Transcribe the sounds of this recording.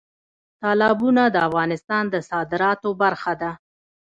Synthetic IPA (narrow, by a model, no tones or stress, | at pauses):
t̪ɑlɑbunad̪əafɣɑnɪst̪ɑnd̪əsɑd̪ɪɾɑt̪obaɾxad̪a